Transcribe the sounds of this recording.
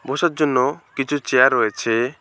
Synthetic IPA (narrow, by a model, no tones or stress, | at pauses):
bosaɾd͡ʒonːɔkit͡ʃʰut͡ʃejaɾːɔet͡ʃʰe